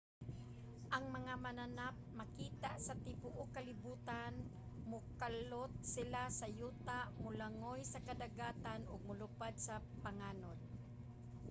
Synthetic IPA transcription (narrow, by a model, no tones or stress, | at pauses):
ʔaŋmɐŋamananap̚makiːt̪aʔsat̪ɪpʊʔokalɪbuːt̪an | mʊkalot̪̚sɪlasajuːt̪aʔmʊlaŋojsakad̪aɡaːt̪anʊɡ̚mʊlʊpad̪̚sa | paŋaːnod̪̚